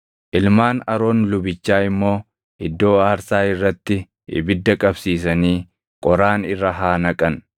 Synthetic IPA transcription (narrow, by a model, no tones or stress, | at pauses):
ʔɪlmaːnɐɾo̞ːnlʊbɪt͡ʃːaːɪmːo̞ː | ɪd̪ːo̞ːaːɾsaːɪrːɐt̪ːɪ | ɪ̰bɪd̪ːɐkʼɐbsiːs̬ɐniː | kʼɔɾaːnɪrːɐɦaːnɐkʼɐn